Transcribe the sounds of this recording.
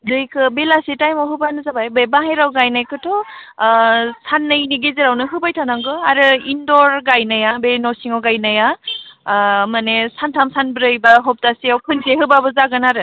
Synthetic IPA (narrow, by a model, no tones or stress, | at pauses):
dɯjkʰɯbelasitajmɔwɦɯbanɯzabajbebaɦajɾawɡajnajkʰɯtʰɔ | sʰanːɯjniɡezeɾawnɯɦɯbajtʰanaŋɡɯaɾɯindɔɾɡajnajabenɔsiŋɔwɡajnaja | manesantʰamsanbɾɯjbaɦɔp̚tasiawkʰɯnseɦɯbabɯzaɡɯnaɾɯ